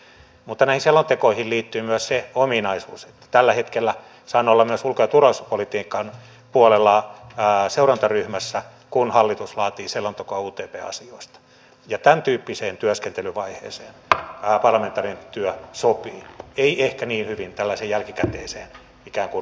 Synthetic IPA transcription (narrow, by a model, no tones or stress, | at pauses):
mut̪ːɑnæihinselːont̪ekoihilliːt̪ːyːmyøsseominɑisuːse̥t̪ːæ̥t̪ælːæhet̪kelːæ | sɑːnːolːɑmyøsulkojɑt̪urɑisupolit̪iːkːˑɑn | puolelːɑː | seurɑnt̪ɑryhmæsːæ | kunhɑlːit̪uslɑːt̪iːselːont̪ekoɑuːt̪eːpḛːɑ̰sioist̪ɑ̥ | jɑt̪ænt̪yːpːiseːnt̪yøskent̪elyʋɑihḛːseːnːpɑrlɑment̪ːɑːrient̪yœsopiːeiehkæniːnhyʋint̪ælːæseːjjælkikæt̪eːseːn | ikæːŋkun